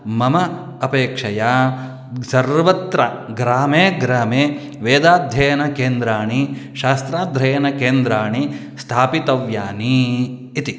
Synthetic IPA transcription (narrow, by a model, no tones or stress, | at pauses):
mɐmɐ | ɐpeːkʂɐja | sɐɾʋɐt̪ɾɐɡɾaːmeːɡɾaːmeː | ʋeːd̪aːd̪ʱjɐjɐnɐkeːnd̪ɾaːɳiʃaːst̪ɾaːd̪ʱɾɐjɐnɐkeːnd̪ɾaːɳi | st̪ʰaːpit̪ɐʋjaːniː | t̪i